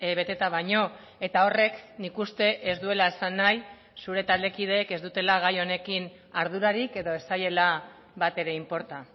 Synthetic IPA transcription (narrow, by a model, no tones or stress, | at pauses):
βe̞t̪et̪aβajɲo̞ | e̞t̪ao̞re̞knikust̪e̞ʔezd̪ue̞laesanːaj | suɾe̞t̪ald̪e̞kið̞e̞ːke̞zd̪ut̪e̞laɣ̞ajo̞ne̞kin | aɾðuɾaɾike̞ðo̞e̞saje̞la | βat̪e̞ɾe̞impo̞ɾt̪a